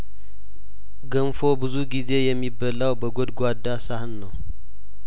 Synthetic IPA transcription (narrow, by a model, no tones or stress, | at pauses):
ɡəmfo̞bɨzuɡize̞jɛmːibːəlawbəɡod̪ɡʷad̪ːasahɨnːəw